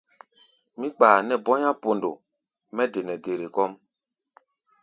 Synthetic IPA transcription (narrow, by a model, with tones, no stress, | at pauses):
mĩ˦k͡paː˨nɛ˨bɔ˦ɲã˦po˨ndo˨ | mɛ˦de˨nɛ˨de˨ɾe˨kɔ˦m